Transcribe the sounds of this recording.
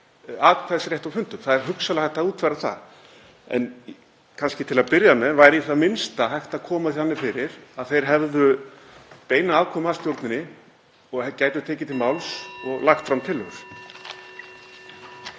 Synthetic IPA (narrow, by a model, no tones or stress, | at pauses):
aðkʰvaðsɾjeht̪awfʏnt̪ʏmθaðɛɾ̥ɦʏksalahajht̪auːt̪ʰvaɾaθa̰ | ɛ̰n | kʰanscɪt̪ʰɪlaðpɪɾjamɛðvajɾiθaðmɪnst̪aɦajht̪akʰɔːmaθihanːɪfɪɾɪɾaðθejɾ̥ɦɛvðʏ | p̪eːjnaaːwkʰɔmast̪jowɾt̪nɪnːɪ | ɔɣcaːjt̪ʏ̥t̪ʰɛːcɪt̪ʰɪlmawlsɔɣlaxt̪fɾawmt̪ʰɪlːœɾ̥